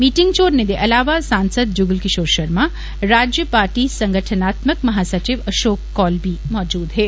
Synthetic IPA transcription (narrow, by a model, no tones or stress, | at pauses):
miːʈɪ̃ŋɡt͡ʃoːɾned̪eʔɐlaːʋasãːnsəd̪̚d͡ʒʊɡəlkɪʃoːɾʃɐɾmã | ɾaːd͡ʒjəpaːɾʈisɐ̃ŋɡʱəʈʰənaːt̪məkmɐɦaːsɐt͡ʃɪʋɐʃoːkːɔːlbʱimɔːd͡ʒuːd̪ɦɛː